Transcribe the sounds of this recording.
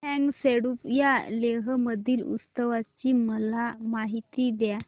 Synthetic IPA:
ɛ̃ŋɡseɽupjaleɦəməd̪ʱiːlṵst̪əʋat͡ɕiːməlamaɦit̪id̪ja

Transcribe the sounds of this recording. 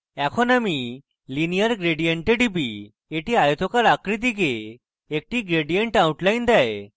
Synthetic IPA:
ɛkʰɔnami | linijəɾɡɾeɽijəɳʈeɖibi | eʈiajt̪ʰɔkaɾakɾit̪̬iɡeː | k̚ʈiːɡɾeɽijəɳʈawʈlajnd̪aj

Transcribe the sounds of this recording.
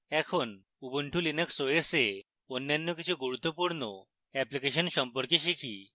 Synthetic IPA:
ɛkʰon | ubuɳʈʰulinəksojese | onjanːɔkit͡ɕʰiɡuɾut̪ːopuɾɳɔ | ɛplikeɕənɕɔmpɔɾkeɕikʰḭ

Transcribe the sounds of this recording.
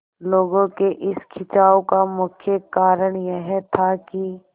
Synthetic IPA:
loːɡõkeʔɪskʰɪt͡ʃaːokamʊkʰjəkaːɾəɳ̃jeɦɛt̪ʰaki

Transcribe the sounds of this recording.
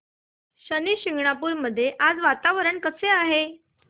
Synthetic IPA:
ɕəniːɕiŋɡɳapuːɾməd̪ʱːjeʔad͡zʋat̪aʋəɾəɳkəseaɦe

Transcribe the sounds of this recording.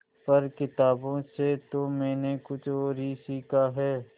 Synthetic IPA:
pɐɾkɪt̪aːbõset̪omɛ̃ːnekʊt͡ʃʰoːɾiːsiːkʰaɦɛː

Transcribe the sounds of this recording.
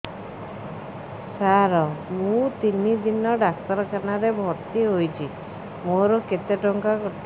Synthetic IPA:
saɾɔmũt̪inid̪inɔɖak̚t̪ɔɾɔkʰanaɾebʱɔɾt̪iɦojt͡ʃʰi | moɾɔket̪eʈɔŋkakɔt̪ʰ

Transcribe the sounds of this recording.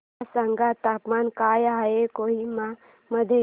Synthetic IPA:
səŋɡat̪aːpmaːnkaːjaekoːima | məd̪ʱe

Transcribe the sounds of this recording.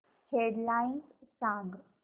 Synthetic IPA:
heɖlainssãŋɡ

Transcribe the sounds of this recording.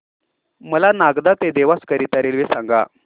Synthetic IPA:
məlanaɡd̪at̪ed̪eʋaskəɾit̪aɾelʋesaŋɡa̰

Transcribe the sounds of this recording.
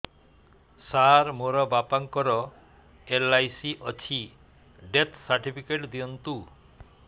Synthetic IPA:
saɾmoɾɔbapaŋkɔɾɔ | elajsiʔɔt͡ɕʰi | ɖet̪ʰsaɾʈipʰikeʈd̪iɔnt̪u

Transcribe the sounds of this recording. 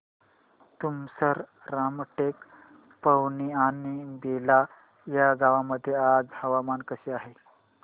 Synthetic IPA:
t̪umsəɾ | ɾamʈek | pəwnianibela | jaɡaʋaməd̪ʱːjead͡zhəʋamankəɕeaɦe

